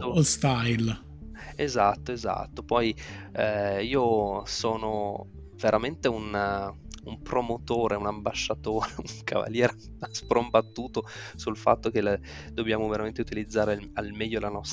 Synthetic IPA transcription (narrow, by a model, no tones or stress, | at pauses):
lst̪ajl | ezat̪ːoeza̰t̪ːopɔj | iːosoːno | veɾʔament̪eun | umpɾomot̪oːɾeunambaʃːat̪oːɾeuŋkʰa̰va̰ljɛːɾ | spɾombat̪ːuːt̪osulfa̰t̪ːok̟el | d̪̥objaːmoveɾament̪eut̪ilid̪zːaːɾealmɛʎːolanɔst̪